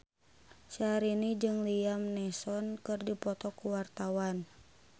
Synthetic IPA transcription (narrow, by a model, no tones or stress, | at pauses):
t͡ʃaɾinid͡ʒɨŋliamnɛsɔnkɨrdipɔt̪ɔkuwart̪awan